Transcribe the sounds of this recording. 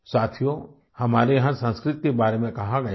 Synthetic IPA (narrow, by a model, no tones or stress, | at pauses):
saːt̪ʰijo | hɐmaːɾejɦãsə̃nskɾɪt̪kebaːɾemẽkɐɦaɡɐja